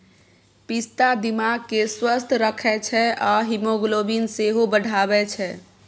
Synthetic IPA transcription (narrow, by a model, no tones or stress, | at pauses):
pist̪ad̪imaɡ̚keswəst̪ʰɾəkʰɛt͡ʃʰɛaɦimoɡlobinseɦobəɽʱabɛt͡ʃʰɛ